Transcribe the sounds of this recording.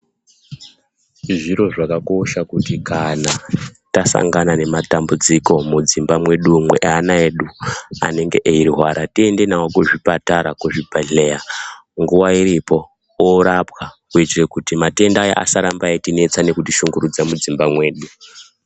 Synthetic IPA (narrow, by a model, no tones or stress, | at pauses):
ʐiɾo̞ʐakako̞ʃakutikanatasa̰ŋɡanane̞matambud͡ziko̞mud͡zimbamwe̞ɗumwḛʔanaeɗua̰ne̞ŋɡe̞ʔeiɾiɦwaɾatie̞nde̞nawokuʐipataɾakuʐibʱaɮeja | ŋɡuwaiɾipo̞ | oɾapwakuitirekutimate̞ndaja̰ʔa̰saɾambaetine̞t͡sane̞kutiʃuŋɡuɾud͡zamud͡zimbamwe̞ːɗu